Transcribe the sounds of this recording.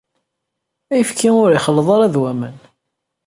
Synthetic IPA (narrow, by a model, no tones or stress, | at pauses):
æjəfkʰiʊɾiχəlːəðˤɑɾˤæðwæmən